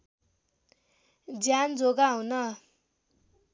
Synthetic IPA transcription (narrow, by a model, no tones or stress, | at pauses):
d͡zjand͡zoɡaɦũnʌ